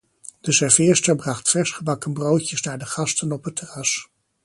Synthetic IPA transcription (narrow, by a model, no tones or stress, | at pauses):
d̥əsɛɹvɪːɹstəɹbrɑχtfɛɹsχəbɑkənbrowtjəsnaːɹdəχɑstənɔpətʰərɑs